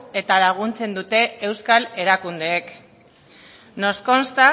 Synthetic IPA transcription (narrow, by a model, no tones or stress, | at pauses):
e̞t̪alaɣ̞unt͡se̞nd̪ut̪e̞ːwskale̞ɾakund̪e̞ːk | no̞sko̞nst̪a